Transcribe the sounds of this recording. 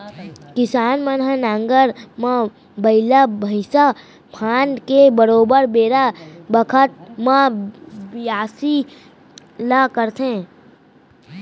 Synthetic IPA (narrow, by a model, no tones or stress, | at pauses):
kɪsaːnmənɦənãːŋɡəɾmã | bəɪlabʱəɪsa | pʰaːnkebəɾoːbəɾbeːɾabəkʰət̪̚mãbɪaːsi | lakəɾt̪ẽ